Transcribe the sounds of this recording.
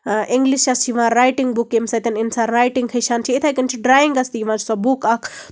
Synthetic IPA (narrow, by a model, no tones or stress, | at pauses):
ʔɪŋɡliʃt͡ʃɐst͡ʃʰiʋãːɾaːjʈiŋɡbukːemsɐt̪ʲɐnɪnsaːɾɾaːjʈiŋɡkʰɐjʃaːnt͡ʃʰiit̪ʰaːjkɐnt͡ʃʰiɖɾaːjiŋɡɐst̪iʋãːd͡ʒsɔbukɐkʰ